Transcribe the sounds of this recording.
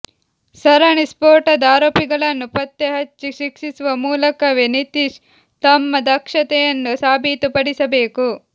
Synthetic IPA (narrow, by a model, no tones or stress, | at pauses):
sɐɾɐɳispoːɾʈɐd̪aːɾoːpiɡɐɭɐnːupɐt̪ːeɦɐt͡ʃːiʃikʂisuʋɐmuːlɐkɐʋinit̪iʃ | t̪ɐmːɐd̪ɐkʂɐt̪ɛjɐnːusaːbʱiːt̪upɐɽisɐbeːku